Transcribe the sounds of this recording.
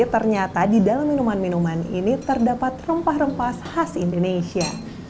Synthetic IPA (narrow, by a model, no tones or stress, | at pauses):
t̪ərɲat̪adidalamːinumanminumanḭnit̪ərdapat̪rəmpahrəmpashasindonesia